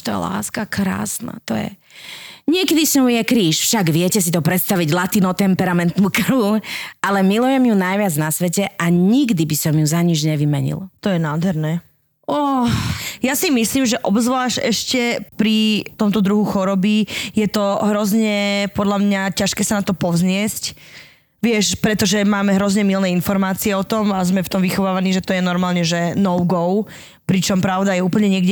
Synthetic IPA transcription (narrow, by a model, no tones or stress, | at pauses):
t̪ɔjɛ̰la̰ːskakɾa̰ːsna̰t̪ɔjɛ̰ | ɲɪɛkɛd̪isɲɔʊjɛkɾiːʃfʃaɡʋɪɛcɛs̬it̪ɔpɾɛt̪st̪aʋiɟlat̪inɔt̪ɛmpɛɾamɛnt̪nukɾualɛmilujɛmjunajʋɪad͡znasʋɛcɛaɲiɡd̪ibisɔmjuzaɲid͡ʒɲɛʋimɛɲḭlt̪ɔjɛnaːd̪ɦɛɾnɛː | ɔ | jasimisliːmʒɛʔɔbzʋlaːʃɛʃcɛpɾit̪ɔmt̪ɔd̪ɾuɦuxɔɾɔbijɛt̪ɔɦɾɔzɲɛpɔd̪ʎamɲacaʃkɛːsanat̪ɔpɔzɲɪɛsc | ʋɪɛʃpɾɛt̪ɔʒɛmaːmɛɦɾɔzɲɛmilnɛːinfɔɾmaːt͡siɛɔt̪ɔmazmɛft̪ɔmʋixɔʋaːʋaniːʒɛt̪ɔjɛnɔɾmaːlɲɛʒɛnɔʊɡɔʊ | pɾit͡ʃɔmpɾaʊd̪ajɛuːpl̩ɲɛɲɪɛɡɟɛ